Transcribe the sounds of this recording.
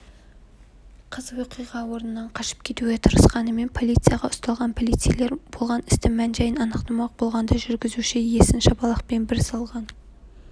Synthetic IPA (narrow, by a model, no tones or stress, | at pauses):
qʰəzəwoqʰijʁɑwo̞ɾnənɑɴqʰɑʃɪ̥p̚kʲʰe̞t̪uɡʲe̞t̪ʰəɾəsqɑnəme̞npʰo̞lʲˠijt̪sɨjɑʁɑʊst̪ɑlˠʁɑnpʰo̞lijt̪sɨjle̞ɾb̥o̞lˠʁɑnɪ̥st̪ɪmænʒɑjənɑnəqt̪ɑmɑq̚bo̞lˠʁɑnd̪ɑʒʏɾɡʲɪzuʃɪje̞sɪnʃɑbɑlˠɑq̚pe̞nbɪɾsɑlˠʁɑn